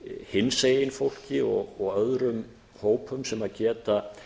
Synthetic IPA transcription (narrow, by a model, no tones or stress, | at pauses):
hɪnsejɪnfowl̥cɪɔ̰ɣɔɣœðɾʏm | hoːwpʰʏmsɛmaðcɛːt̪a